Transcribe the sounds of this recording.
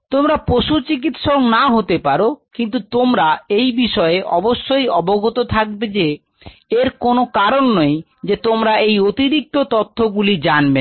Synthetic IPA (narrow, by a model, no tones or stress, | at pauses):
t̪omɾapɾoʃut͡ɕik̬it̪ʃoknaɦot̪epaɾokint̪̬ut̪omɾaejbiʃɔeʔɔ̰boʃːojɔboɡot̪ot̪ʰak̚bed͡ʑe | eɾkonokaɾonːoj | d͡ʑet̪omɾaejot̪iɾik̚t̪ot̪ot̪ʰːoɡulid͡ʑanbe